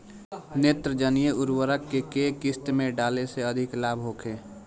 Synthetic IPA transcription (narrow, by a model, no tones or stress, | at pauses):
neːt̪ɾəd͡ʒənijəʊɾwəɾəkːekeːkɪst̪mẽɖaːleseɐd̪ʱɪklaːbʱɦoːkʰeː